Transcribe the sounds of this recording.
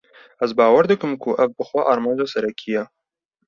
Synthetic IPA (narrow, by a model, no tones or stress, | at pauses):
ɛzbɑːwɐɾd̪ɨkɨmkʰʊʔɛvbɨxʷɛʔɑːɾmɑːnd͡ʒɑːsɛɾɛkʰijɛ